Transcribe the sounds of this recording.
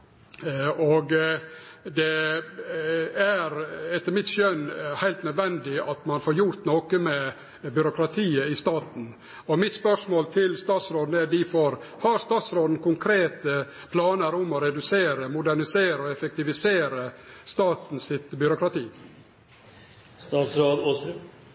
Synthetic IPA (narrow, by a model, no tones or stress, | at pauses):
ɔɡ | d̪ɛ | æɾɛt̪ːəɾmɪt̪ʃœnhæɪlt̪nœd̪ʋɛnd̪ɪɑt̪mɑnfɔːɾjʊɾt̪noːkəmɛ | bʏɾʊkʰɾɑt̪ʰiːəɪst̪ɑːt̪n̩ | ɔmɪt̪spœʂmoːlt̪ʰɪlst̪ɑːt̪sɾoːd̪n̩æɖɪfɔɾ | hɑɾst̪ɑːt̪sɾoːd̪n̩kʊŋkʰɾeːt̪ə | pʰlɑːnəɾʊmɔɾɛd̪ʉseːɾəmʊd̪æɳɪseːɾəɔɛfɛk̚t̪ɪʋɪseːɾəst̪ɑːt̪n̩sɪt̪bʏɾʊkʰɾɑt̪ʰiː | st̪ɑːt̪sɾoːd̪ɔ